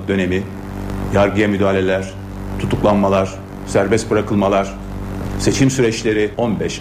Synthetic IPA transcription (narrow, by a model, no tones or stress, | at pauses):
d̪ø̞ne̞mi | jaɾɡɯjamyd̪aːlʲe̞lʲæɾ̥ | t̪ʰut̪ʰuklˠanmalˠaɾ̥ | sæɾbɛst̪̚bɯɾakʰɯlˠmalˠaɾ̥ | se̞t͡ʃʰimsyɾɛt͡ʃlʲe̞ɾionbɛʃ